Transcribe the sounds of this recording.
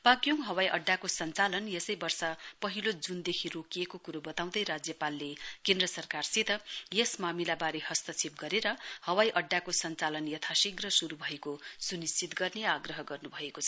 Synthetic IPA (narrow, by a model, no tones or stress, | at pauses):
paɡjoŋɦʌwajʔʌɖːakosʌnt͡salʌnjesʌjbʌrsʌpʌɦilod͡zund̪ekʰirokijekokuɾobʌt̪aw̃d̪ʌjɾad͡zjʌpalːekend̪rʌsʌrkarsit̪ʌjesmamilabaɾehʌst̪ʌt͡sʰip̚ɡʌɾeɾʌhʌwajʔʌɖːakosʌnt͡salʌnjʌt̪ʰasiɡrʌsuɾubʱʌekosunist͡sʰit̪ɡʌrneaɡrʌɦʌɡʌrnubʱʌekot͡sʰʌ